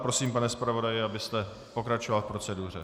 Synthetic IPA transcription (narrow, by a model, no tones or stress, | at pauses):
pɾo̞siːmpanɛspɾavo̞dajɪabɪst̪ɛ | po̞kɾat͡ʃovalfpɾo̞t͡sɛdur̝ɛ̰